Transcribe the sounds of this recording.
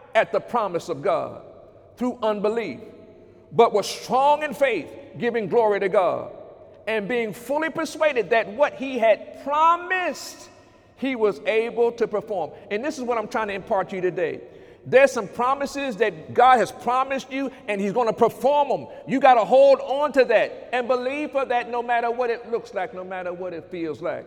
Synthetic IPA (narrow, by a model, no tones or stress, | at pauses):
ɨt̪̚ðəpʰɹ̥ɑmɨsʌvɡɑ̰d̚ | θɹuʔʌ̃nbəlif | b̥ʌt̚wʌ̥stɹ̥ɔ̃ŋɨ̃nfeɪθɡ̥ɪvɪ̃ŋɡlɔɹiɾɨɡɑ̰ɾ | ɨ̃nbiɪ̃ŋfʊlˠipə˞sweɪɾɨd̪̚ðɨt̚wʌt̚hiɨd̚pʰɹ̥ɑmɪst̚ | hiwʌzeɪbl̩ˠtʰɨpə˞fɔɹmɨ̃nðɪsəzwʌɾãɪ̃tʰɹ̥aɪɪ̃ŋtʰɨɨ̃mpʰɑɹt͡ʃɨɾɨdeɪ | ðə˞sʌ̃mpʰɹ̥ɑmɨsɪzðɨt̚ɡ̥ɑd̚ɨz̥pʰɹ̥ɑmɨst͡ʃɨɨ̃nizɡõʊ̃nɨpʰə˞fɔɹmə̃mjɨɡɑɾəɦoʊlˠdn̩tɨðɨɾ̚ɨ̃nbəliv̥fə˞ðɨtⁿnoʊmæɾə˞wʌɾɨtˡlʊkslaɪk̚noʊmæɾə˞wʌɾɨtfilˠzlaɪk̚